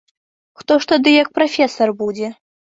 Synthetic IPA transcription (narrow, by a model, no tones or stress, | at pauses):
xt̪ɔʂt̪ad̪ɨjɐk̚pɾafʲɛsɐrbud͡zʲɛ